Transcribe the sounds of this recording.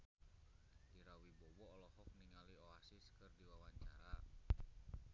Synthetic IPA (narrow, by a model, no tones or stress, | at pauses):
iɾawibɔwɔːlɔhɔk̚niŋalioasɪskɨrdiwawaɲt͡ʃaɾa